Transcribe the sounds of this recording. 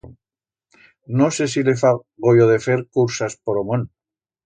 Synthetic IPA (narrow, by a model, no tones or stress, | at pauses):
nosesilefa | ɣojoðefeɾkuɾsaspoɾomon